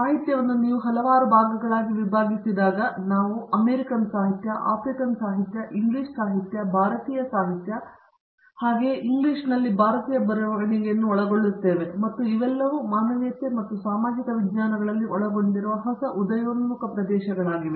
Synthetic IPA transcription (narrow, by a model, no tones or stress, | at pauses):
saːɦit̪jɐʋɐnːuniːʋuɦɐlɐʋaːɾubʱaːɡɐɡɐɭaːɡiʋibʱaːɡisid̪aːɡɐnaːʋuɐmeːɾikɐnsaːɦit̪jɐʔa̰ːpɾikɐnsaːɦit̪jɐʔiŋɡliːʂsaːɦit̪jɐbʱaːɾɐt̪iːjɐsaːɦit̪jɐ | haːɡe̞ːʔiŋɡliʂnɐlːibʱaːɾɐt̪iːjɐbɐɾɐʋɐɐniŋɡenːuɔɭɐɡo̞ɭːit̪ːe̞ːʋemɐt̪ːuiʋɛlːɐʋumaːnɐʋijɐt̪ːemɐt̪ːusaːmaːd͡ʒikɐʋid̪ɲaːnɐɡɐɭɐlːiɔɭɐɡo̞ɳɖiɾuʋɐɦɐsɐʔud̪ɐjoːnmukɐpɾɐd̪ɛːʃɐɡɐɭaːɡiʋe